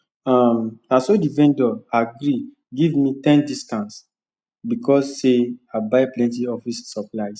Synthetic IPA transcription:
ãmnasodivɛ̃ndɔaɡɾi | ɡivmitɛ̃ndistãns | bikʰɔsːeabaɪplɛ̃ntiɔfisːɔplaɪs

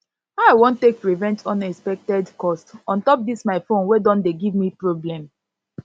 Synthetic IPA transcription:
aawõntːek̚pɹivɛ̃ntʰɔ̃nɛkspɛk̚tɛdkɔstɔ̃ntɔp̚dismaɪfõnwɛdɔ̃ndeɡivmipɹoblɛ̃m

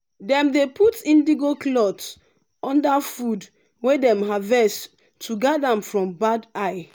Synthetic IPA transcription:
dɛ̃mdepʰutĩndiɡoklɔt | ɔ̃ndafud | wedɛ̃mɦavɛs | tʰːuɡadãmfɹɔ̃mbadaɪ

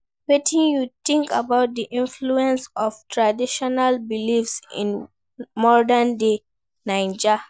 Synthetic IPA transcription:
wetʰĩnjutĩŋkabaʊt̚d̪iʔĩnfluɛ̃nsɔv̥tʰɹadiʃɔnalbilifsḭ̃n | mɔɹdãnde | nãɪ̃nd͡ʒa

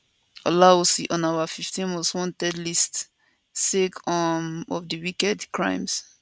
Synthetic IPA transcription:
ɔlausiʔɔ̃nawafiftĩnwɔswɔ̃ntɛdlist | sekʰɔmɔfdiwikɛdkɹã̰ɪ̃ms

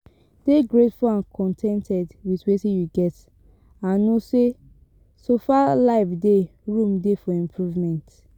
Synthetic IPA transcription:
d̥eɡɹetfuãnkʰɔ̃ntʰɛ̃ntʰɛdwitwetĩjuɡɛt | ãnose | sofalaɪfdeɹũmdefɔĩmpʰɹuvmɛ̃nt

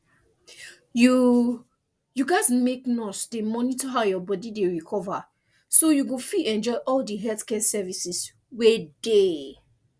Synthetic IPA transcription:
ju | juɡaɪzmeknɔsdemɔnitʰɔɦaʊjɔbɔdideɹikʰɔva | sojuɡofiʔɛ̃nd͡ʒɔɪʔɔldiɦɛltkɛsɛvisis | wede

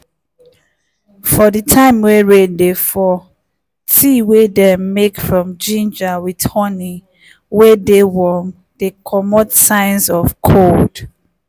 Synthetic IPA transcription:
fɔditʰãɪ̃mweɹeddefɔ | tʰiwedɛmmekfɹɔ̃md͡ʒĩnd͡ʒawidhɔni | wedewɔn | dekʰɔmɔtsãɪnsɔvkʰold̥

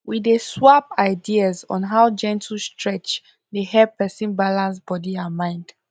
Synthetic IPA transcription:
wiðeswapaɪdiazɔ̰̃nɦaʊd͡ʒɛ̃ntʰl̩stʰɹɛt͡ʃ | dehɛpɛsĩnbalãnsb̥ɔdiamãɪ̃nd̥

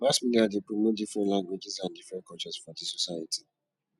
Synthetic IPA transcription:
lasmiliadepɹomot̚difɹɛ̃ntlãŋɡwed͡ʒizãndifɹɛ̃nkɔt͡ʃɛsfɔdisɔsaɪatʰi

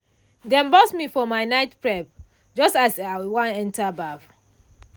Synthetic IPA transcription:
dɛ̃nbɔsmifɔmaɪnaɪtpɹɛp̚ | d͡ʒɔstasawãnɛ̃ntabaf

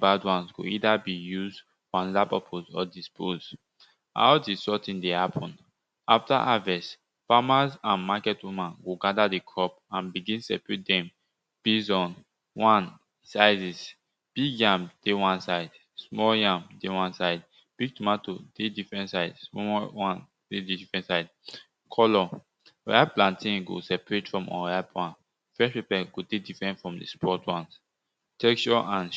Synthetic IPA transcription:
badwãnsɡo̰idabijuzd | fɔãnɔdapapʰozɔdispʰoz | a̰ʊdisɔtĩndehapʰɔ̃n | aftaʔavɛs | famazãnmakɛtwumãnɡoɡadadekʰɹɔp̚ãnbiɡĩnsɛpɹit̚dɛ̃m | b̥izɔ̃n | wãn | saɪzis | b̥iɡjãmd̥ewãnsaɪd | smɔljãmdewãnsaɪd | b̥iɡ̚tumatod̥edifɹɛ̃ntsaɪdsmɔwãn | dedidifɹɛ̃ntsaɪd | kʰɔlɔ̰ | aplãntĩŋɡo̰sɛpɹetfɹɔ̃mɔ̰̃apʰwãnt | fɹɛʃpepɛɡodedifɹɛ̃ntfɹɔ̃mdḛspʰɔtwãns | tɛkt͡ʃɔʔãn

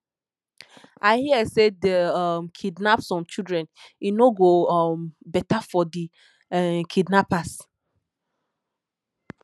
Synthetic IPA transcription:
aɪhiɛsedəmkʰidnapsɔ̃mt͡ʃidɹɛ̃ninoɡombɛtafɔdi | kʰidnapas

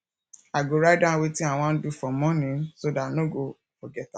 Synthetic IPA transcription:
aɡoɾadãwetiaw̃ɔ̃n̩dufɔmɔ̃nĩsodanoɡo | ɔɡɛta

